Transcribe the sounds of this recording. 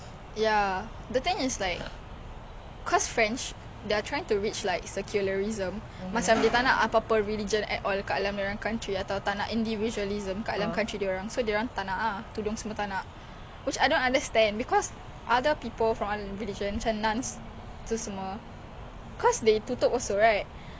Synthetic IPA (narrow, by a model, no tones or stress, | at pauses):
ja | d̪ət̪ɪ̃ŋislaɪk̚ | kʰɔsfɹɛ̃nt͡ʃ | deatʰɹajɪ̃ŋtuɹit͡ʃlaɪk̚səkʰjuləɹizə̃mː | at͡ʃãmdet̪anaʔapapəɹilid͡ʒə̃nʔɛ̰tʔɔlkaʔalamdaɹankãntɹiat̪awt̪anaʔĩndivid͡ʒuəlizə̃mkaʔalãmkãntɹideɹãŋsodeɹãŋt̪anaʔat̪udʊ̃ŋsəmɔt̪anaʔ | wit͡ʃajdõnãndəst̪ɛ̃ndbikɔs | ʔadəpipəlfɹɔ̃maɹilid͡ʒə̃nat͡ʃãnnãns | t̪usəmə | kʰɔsdet̪ut̪ɔkɔlsoɹajt̚